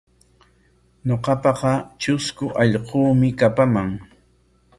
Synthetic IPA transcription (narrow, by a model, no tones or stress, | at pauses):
ɲoqɑpɑqɑt͡ʃʊskʊʔɑʎquːmɪkapamaŋ